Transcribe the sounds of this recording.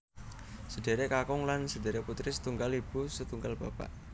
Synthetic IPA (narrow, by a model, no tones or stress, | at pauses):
səd̥e̤ɾekakʊŋlansəde̤ɾeput̪ɾɪsə̥t̪uŋɡalib̥usət̪uŋɡalb̥apa̰ʔ